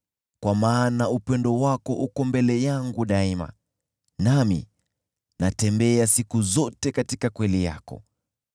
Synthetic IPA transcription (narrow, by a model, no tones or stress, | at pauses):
kwamaːnaupɛndɔwakɔʔukɔmbɛlɛjaŋɡuɗaima̰ | namḭ | natɛmbɛasikuzɔtɛkatikakwɛlija̰kɔ̰